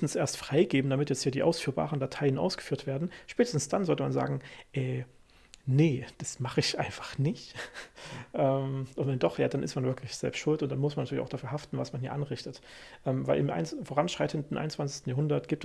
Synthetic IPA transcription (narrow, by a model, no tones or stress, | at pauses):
n̩sʔeːɐstfʁ̥aɪɡeːbm̩damɪtjɛt͡sthiːɐdiːʔa̰ʊsfyːɐba̰ːʁəndatʰaɪənʔa̰ʊsɡ̥ə̥fyːɐtv̥eːɐdn̩ʃpɛːtəsn̩sd̥anzɔltəmanza̰ːɡŋ̩ʔɛː | nəd̥asmaχəɪçʔa̰ɪnfḁχnɪçt | ʔɛːmʔʊntvɛndɔχjaːdanʔɪstmanvɪɐkʰlɪçz̥ɛ̰lpstʃʊltʊntd̥anmʊsmanːatyɐlça̰ʊd̥afyːɦaftn̩vasmanhiːɐʔanʁɪçtət | ʔɛːmva̰ɪlʔɪmʔa̰ɪnfoʁanʃʁ̥aɪtʰəndn̩ʔa̰ɪn̩t͡sv̥ant͡ssɪçstn̩jaɦʊndɐtɡ̥iːpt